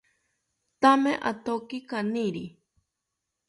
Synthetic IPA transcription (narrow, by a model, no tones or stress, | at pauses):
t̪amẽʔat̪okikanĩɾi